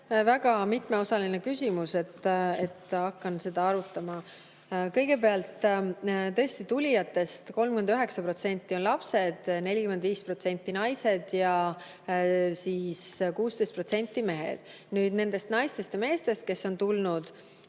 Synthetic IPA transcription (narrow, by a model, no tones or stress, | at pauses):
væɡ̥ɑmit̪ˑme̞o̞sɑline̞kysʲimuse̞t̪ːet̪ːˑɑkːɑnse̞d̪̥ɑɑɾut̪ːˑɑmɑ | kɤ̞jɡe̞peɑlt̪ːˑ | t̪ɤ̞est̪it̪ulʲijɑt̪ːˑe̞st̪ko̞lmkymend̪yɦe̞ksɑpro̞t̪se̞nʲt̪ːio̞nlɑpse̞d̪̥ne̞lʲikymend̪viːspro̞t̪se̞nʲt̪ːinɑjse̞d̪̥jɑ | siːskuːst̪e̞jst̪̚pro̞t̪se̞nʲt̪ːˑime̞ɦḛd̪̥ | nyːd̪̥ne̞nd̪̥e̞st̪nɑjst̪e̞st̪jɑme̞ːst̪e̞st̪̚ke̞sːo̞nt̪ulnud̪̥